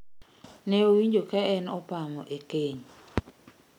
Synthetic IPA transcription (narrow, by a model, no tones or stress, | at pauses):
nɛowiɲd͡ʒokaɛnɔpamɔʔekeɲ